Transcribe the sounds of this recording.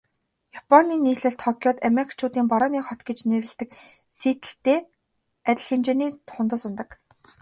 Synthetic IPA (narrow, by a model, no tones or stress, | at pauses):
japʰɔnːiːniːsɮɘ̆ɬt̪χɔkʲjɔːt̪ameɾikʰt͡ɕʰʊːt̪iːmpɔɾɔːniːχɔt̪ɡet͡ɕneɾɘ̆ɬt̪ɘ̆k | seːt̪ɘ̆ɬt̪eː | æt̪ʲɪ̆ɮxemt͡ɕeːniːt̪ʰʊnt̪ə̆sʊnt̪ə̆k